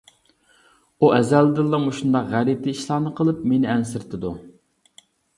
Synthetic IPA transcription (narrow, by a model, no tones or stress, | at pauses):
uʔɛzælːd̪ɨlˠːɑmuʃund̪ɑqʁæɾit̪ʰɪiʃlˠɑːnɨqʰəlˠɨpmenɪɛnsɪɾt̪ʰɨd̪u